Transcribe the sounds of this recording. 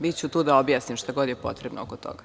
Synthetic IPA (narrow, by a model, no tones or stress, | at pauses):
bit̪t͡ɕut̪uːd̪aobjaːsnimʃt̪aɡod̪jepo̞t̪ɾebno̰o̰kot̪o̰ɡa